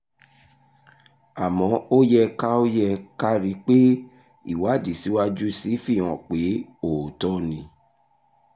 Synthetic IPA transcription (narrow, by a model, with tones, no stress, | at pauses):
a˨mɔ̃˨˦o˦jɛ˦˧ka˦o˦jɛ˧ka˦ɾi˨˦k͡pe˦ | ḭ˦˨wa˨˦˨di˨si˨˦wa˦d͡ʒu˦si˨˦fĩ˦˨ɔ̃˨k͡pe˨˦o˨tɔ˦nĩ˧